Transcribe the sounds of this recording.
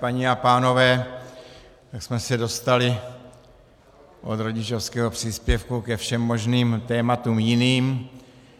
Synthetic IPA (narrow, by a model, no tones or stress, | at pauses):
paɲiapaːno̞vɛː | t̪aksmɛsɛdo̞st̪alɪ | ʔod̪ɾo̞ɟɪt͡ʃo̞fskɛɦo̞pr̝̥iːspjɛfkukɛfʃɛmːo̞ʒniːmt̪ɛːmat̪uːmjɪniːm